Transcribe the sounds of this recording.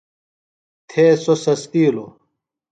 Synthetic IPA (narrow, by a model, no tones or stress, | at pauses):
t̪ʰeːsosɐst̪iːlo